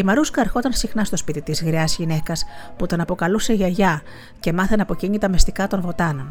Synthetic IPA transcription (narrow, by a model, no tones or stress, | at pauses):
imɐɾuskɐːɾxo̞t̪ɐnsixnɐst̪o̞spit̪it̪izɣɾiɐzʝine̞kɐsput̪onɐpo̞kɐluse̞ʝɐʝɐ | ce̞mɐθenɐpo̞ciɲit̪ɐmist̪ikɐt̪o̞nvo̞t̪ɐno̞n